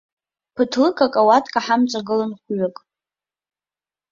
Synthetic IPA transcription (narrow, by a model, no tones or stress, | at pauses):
pʰɨtʰlɨkʰʼakʼawatʰkʼaħamt͡sʼaɡɨlanχʷɥakʼ